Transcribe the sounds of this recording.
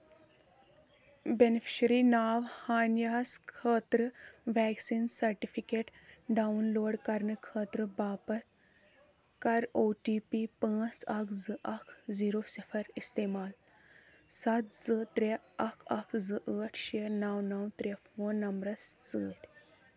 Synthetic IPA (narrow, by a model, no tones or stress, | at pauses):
benefʰi̥ʃɾinaːwhaːnjaskʰəːt̪ɾəʋɛːksiːnsɐɾʈifikeʈɖaunloːɽkɐɾnəkʰəːt̪ɾəbaːpɐt̪̚ | kɐɾoʈiːpipãːt͡sɐkʰd͡zɨʔɐkʰd͡ziːɾosifʰɐɾist̪emaːl | sɐt̪d͡zɨt̪ɾeɐkʰɐkʰd͡zɨʔəːʈ̪ʰʃenɐwnɐwt̪ɾefoːnːɐmbɾɐst͡sɨːt̪